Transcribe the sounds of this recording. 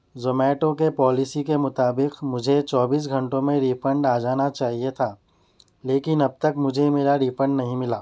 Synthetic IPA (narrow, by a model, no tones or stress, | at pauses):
zomɛːʈõkepɔːlɪsikemʊt̪aːbɪqmʊd͡ʒʱet͡ʃɔːbiːs̬ɡʱɐ̃ɳʈõmẽɾiːfə̃ɳɖaːd͡ʒaːnat͡ʃaːɦiet̪ʰaː | leːkɪnɐb̚t̪ɐkmʊd͡ʒʱemeːɾaɾiːfə̃ɳɖnɐɦĩmɪlaː